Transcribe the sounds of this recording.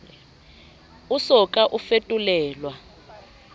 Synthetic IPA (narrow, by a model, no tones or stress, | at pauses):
usɔkʼaʔufetʼulɛːlwa